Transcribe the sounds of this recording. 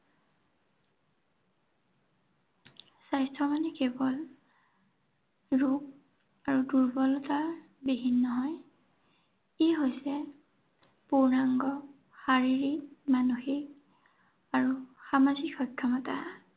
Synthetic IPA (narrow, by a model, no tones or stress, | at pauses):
sajstɹɔmanɛkɛbɔl | ɹuk̚ | aɹuduɹbɔlɔta | bibʱinːɔɦɔj | iɦojsɛ | punaŋɡɔ | xaɹiɹimanuxik̚ | aɹuxamazikxɔjkʰːamɔta̰